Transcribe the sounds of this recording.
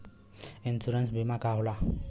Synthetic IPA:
ensuɾansbimakaɦola

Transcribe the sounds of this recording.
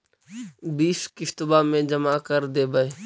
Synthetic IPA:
biːskɪʃt̪bamẽd͡ʒəmakəɾd̪eːbəe

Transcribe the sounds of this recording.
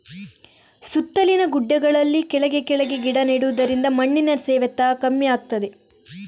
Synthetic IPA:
sut̪ːɐlinɐɡuɖːɐɡɐɭɐlːikɛɭɐɡe̞kɛɭɐɡeɡiɽɐneɽuʋud̪ɐɾind̪ɐmɐɳːinɐsɛːʋɐt̪ːaːkɐmːijaːɡ̚t̪ɐd̪e

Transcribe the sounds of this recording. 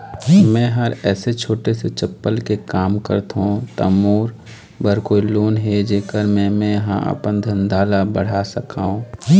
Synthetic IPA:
mɛ̃ːɦəɾɛːset͡ʃʰoːʈeset͡ʃəpːəlkekaːmkə̰ɾt̪ɦõt̪ə̰moːɾ | bəɾkoːiloːnɦed͡ʒeːkəɾmẽmɛ̃jəɦã̰ʔə̰pənd̪ʱə̃nd̪ʱaːlabəɽ̤asəkaːɦũː

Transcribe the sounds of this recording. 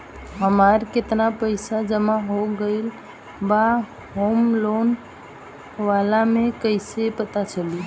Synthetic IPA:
ɦəmaɾket̪napəɪsad͡ʒəmaɦoɡəɪl | ba | ɦomlon | ʋalamẽkəɪsepət̪at͡ʃʰəli

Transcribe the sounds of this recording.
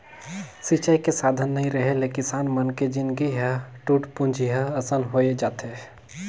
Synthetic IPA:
sit͡ʃajkesaːd̪ʱənːɐɦĩɾɐɦelekɪsaːnmənked͡ʒɪnɡiɦəʈuːʈpʊ̃nd͡ʒʱiɦəɐsənɦoːed͡ʒaːt̪e

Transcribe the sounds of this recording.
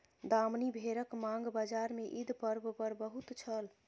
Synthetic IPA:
d̪amnibʱeɾəkmaŋɡbad͡ʒaɾmeʔid̪ʱpəɾbʱpəɾbəɦut̪t͡ʃʰəl

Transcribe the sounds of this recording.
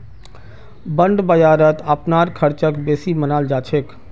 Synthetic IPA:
bəɳɖbəjaːɾət̪əpnaːɾkʰəɾt͡ʃəkbeːsimənaːld͡ʒaːt͡ʃʰek

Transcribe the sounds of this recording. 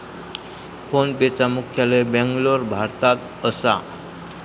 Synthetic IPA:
fonpet͡samukʰjalebɛ̃ŋɡloɾbʱaɾt̪at̪ | əsa̰

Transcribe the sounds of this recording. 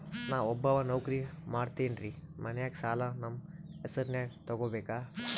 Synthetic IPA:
naːʋɔbːɐʋɐnɐwkɾimaːɽt̪eːnɾimɐnɛjaːɡsaːlanɐmesɐɾnjaːt̪ɐɡoːbeːkaː

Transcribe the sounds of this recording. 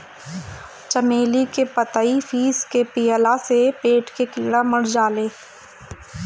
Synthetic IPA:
t͡ʃəmeːlikepət̪əifʰiːskepijəlasepeːʈkekɪɽaməɽ̤d͡ʒaːleː

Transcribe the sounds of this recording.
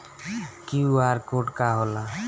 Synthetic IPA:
kiuaɾkoʈkaɦola

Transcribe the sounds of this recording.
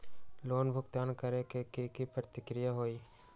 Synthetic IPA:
loːnbʱʊɡt̪aːnkəɾekekekipɾət̪ɪkɾɪjaɦoːiː

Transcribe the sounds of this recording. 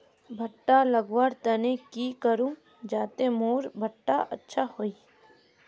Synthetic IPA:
bʱəʈːaːləɡʋaːɾt̪ənẽkiːkəɾũː | d͡ʒaːt̪emoːɾbʱəʈːaʔə̰tːʃʰahoːiː

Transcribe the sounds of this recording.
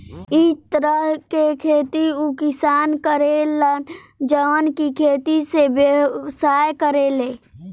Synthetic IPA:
it̪əɾəɦkekʰeːt̪iukɪsaːnkəɾelənd͡ʒəʋənkikʰeːt̪isebjəsaːjkəɾeleː

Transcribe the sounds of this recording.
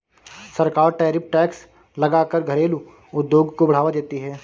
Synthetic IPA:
sɐɾkaːɾʈɛːɾɪp̚ʰʈɛːks | lɐɡaːkəɾɡʱɐɾeːlu | ʊd̪joːɡkobɐɽ̤aːʋad͡ʒaːt̪iɦɛː

